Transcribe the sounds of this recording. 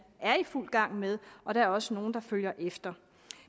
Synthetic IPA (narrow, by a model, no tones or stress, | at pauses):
æɐiful̰ɡ̥ɑ̈ŋ̰með̞ˠʔɒ̽d̥ɑ̈æɐɒ̽səno̝ːn̩d̥ɑ̈føl̰jɐʔefd̥ɐ